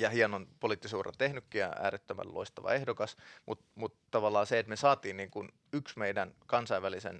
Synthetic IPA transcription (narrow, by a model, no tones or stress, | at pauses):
jɑhiɑnonpoliˑt̪ːisuːrɑ̰nt̪ehnykːijɑ̰æ̰ːɾet̪ːømæ̰llo̰ist̪ɑʋɑ̰ehdokɑsmut̪mut̪t̪ːɑʋɑlːɑːseet̪mesɑːt̪iːnniːŋkun | yksmeidænkɑnsɑiʋælisḛn